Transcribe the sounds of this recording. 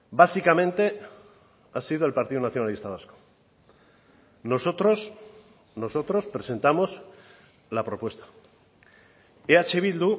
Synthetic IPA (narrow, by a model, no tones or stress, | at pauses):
basikamẽ̞nt̪e̞ | asiðoe̞lpaɾt̪iðunaθjo̞nalist̪aβ̞asko̥ | no̞so̞t̪ɾos | no̞so̞t̪ɾo̞spɾe̞se̞nt̪amos | lapɾo̞pwe̞st̪ḁ | eat͡ʃeβ̞ild̪u